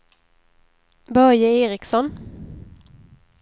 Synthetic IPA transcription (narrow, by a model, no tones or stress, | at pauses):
bœjəeːʁɪksɔn